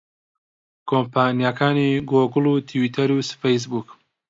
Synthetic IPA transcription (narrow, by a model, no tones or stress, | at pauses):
kʰoːmpaːnijakʰaːniɡoːɡɨluːt̪ʰiwiːt̪ʰɐɾusfejs̬buk